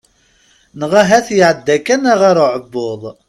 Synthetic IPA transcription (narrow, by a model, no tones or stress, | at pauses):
nəʁæɦæθjəʕəd̪ːækænaʁaɾoʕəbːoðˤ